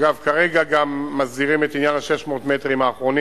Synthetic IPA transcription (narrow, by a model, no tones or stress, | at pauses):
ɡavkaʁe̞ɡaɡamːazdiʁimet̪injanhaʃe̞ʃmo̞t̪me̞tʁimhaːχʁo̞ni